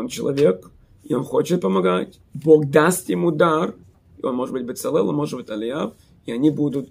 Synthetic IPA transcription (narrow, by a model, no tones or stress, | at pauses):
nt͡ɕɪlˠɐ̰vʲe̞k | ɪonxo̞t͡ɕɪt̪̚pəmɐɡatʲ | bo̞ɡd̪ast̪jɪmud̪ar | ɪo̞nmoʐɨd̪bɨtʲbɨt̪sɛlˠɛlˠɐmo̞ʐɨd̪bɨt̪ʲɐlʲɪjaf | ɪɐnʲibud̪ʊt̪